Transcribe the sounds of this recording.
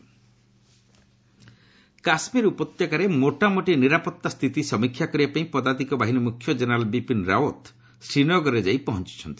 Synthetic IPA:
kasmiɾupɔt̪jakaɾemoʈamoʈiniɾapɔt̪ːast̪ʰit̪isɔmikʰːjakɔɾibapaĩpɔd̪ad̪ikɔbaɦinɔmukʰːjɔd͡ʒenɔɾalbipinɾawot̪ | sɾinɔɡɔɾed͡ʒajpɔɦɔnt͡ʃi̥t͡ʃʰɔnt̪i̥

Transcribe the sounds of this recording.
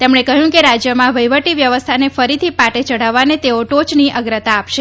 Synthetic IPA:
t̪emɳekəɦjũkeɾad͡ʒjəmãʋəjʋəʈiʋjəʋəst̪ʰanefəɾit̪ʰipaʈet͡ʃəɽ̤aʋanet̪eoʈot͡ʃniʔəɡɾət̪aːpʃe

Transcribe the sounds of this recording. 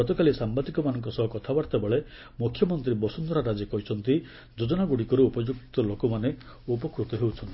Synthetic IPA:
ɔt̪ɔkalisambad̪ikɔmanɔŋkɔsɔɦɔkɔt̪ʰabaɽt̪ebeɭe | mukʰːjɔmɔnt̪ɾibɔsund̪ɔɾaɾad͡ʒekɔɦit͡ʃʰɔnt̪i | d͡ʒod͡ʒɔnaɡuɽikɔɾuupɔd͡ʒukt̪ɔlokɔmane | upɔkɾut̪ɔɦewt͡ʃʰɔnt̪ii

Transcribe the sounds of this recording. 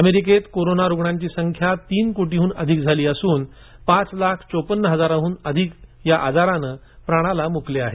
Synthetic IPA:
əmeɾiket̪koɾonaɾuɡɳãɲt͡ɕiːsəŋkʰjat̪iːnkoʈiɦuːnəd̪ʱikd͡zʱaliːəsuːn | pãt͡slakʰt͡sopənːɦəd͡zaɾaɦuːnəd̪ʱikjaʔad͡zaɾanə | pɾaɽ̃alamukleaɦe

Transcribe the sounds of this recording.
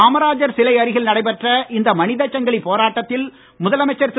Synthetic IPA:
aːmɐɾaːd͡ʒɐɾsɪlɐɪɐɾɪɣɐlnɐɽɐɪpɐʈrɐʔɪnd̪ɐmɐnɪðɐt͡ʃːɐŋɡɐɭɪpːoːɾaːʈːɐt̪ːɪl | mʊðɐlɐmɐɪt͡ʃːɐɾs

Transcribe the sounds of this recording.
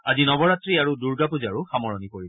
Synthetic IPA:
azinɔbɔɹatɹiaɹuduɹɡapuzaɹuxamɔɹɔnikoɹib

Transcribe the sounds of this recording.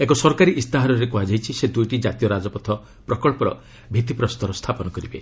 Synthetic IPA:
ekɔsɔɾkaɾiʔist̪aɦaɾɔɾekuad͡ʒajt͡ʃʰised̪ujʈid͡ʒat̪ijɔɾad͡ʒɔpɔt̪ʰɔ | pɾɔkɔɭpɔɾɔ̰ | bʱit̪ipɾɔst̪ɔɾɔst̪ʰapɔnɔkɔɾibe

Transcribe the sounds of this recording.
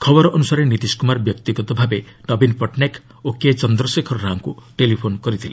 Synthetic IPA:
kʰɔbɔɾɔʔɔnusaɾenit̪iskumaɾbjɔkt̪iɡɔt̪ɔbʱabeɖɔbinpɔʈnek | oket͡ʃɔnd̪ɾɔsekʰɔɾːaɦaŋkuʈelipʰonkɔɾit̪ʰile

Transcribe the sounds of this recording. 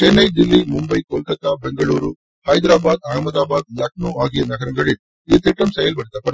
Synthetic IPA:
t͡ʃenːɐjd̪ilːimumbɐjkoːlkɐt̪abeŋɡɐɭuːɾu | hɐjd̪ɾaːbaːd̪aːmɐd̪aːbaːd̪̚lɐk̚nuaːɡijɐnɐɡɐɾɐŋɡɐɭi | it̪iʈːɐmsɐjɐlbɐɽit̪ɐpɐɽ

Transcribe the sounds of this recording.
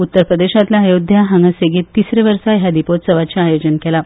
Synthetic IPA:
ut̪ːəɾpɾəd̪eɕat̪laːjod̪ʱjaɦaŋɡəseɡet̪ːisɾeʋəɾsaɦjad̪ipot̪səʋat͡ɕaːjod͡ʑənkɛla

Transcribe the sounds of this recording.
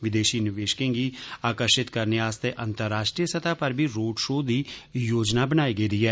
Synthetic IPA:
ʋɪd̪eːʃiːnɪʋeːʃə̥kẽːɡiːaːkəɾʃɪt̪kəɾneaːst̪eʔə̃nt̪əɾːaːʃʈɾijəsət̪ʰaːpəɾbʱiːɾoːɖʃoːd̪iːjoːd͡ʒnabənaːiɡəiːd̪iːɦɛː

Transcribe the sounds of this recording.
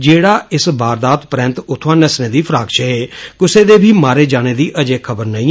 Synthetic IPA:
d͡ʒeːɽaːɪsbaːɾd̪aːt̪pɾɛ̃ːnt̪ʊt̪ʰʋãːnɛsneːd̪iːpʰɾaːɡʃʰɛɦeːkʊseːd̪eːbʱiːmaːɾeːd͡ʒaːɽ̃eːd̪iːʔəd͡ʒeːkʰəbəɾnəĩː

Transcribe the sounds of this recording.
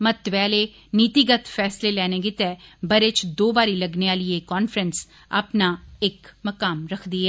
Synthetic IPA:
mət̪ʋɛːleː | nɪt̪ɪɡət̪fʰɛːsleːlɛːneːɡɪt̪ɛːbəɾet͡ʃd̪oːbaːɾiːləɡneːaːlieːkɔːnfʰɾəns | a̰ːpnaːɪkməkaːmɾəkʰd̪iːɦɛː

